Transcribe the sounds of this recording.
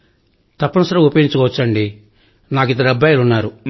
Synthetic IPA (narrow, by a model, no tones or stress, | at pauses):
t̪ɐpːɐnɐsɐɾɐupɐjiɲt͡ʃɐkɔʋɐt͡ʃːɐɳɖi | naːk̬id̪ɐɾɐbːaːjɐlunːaːɾu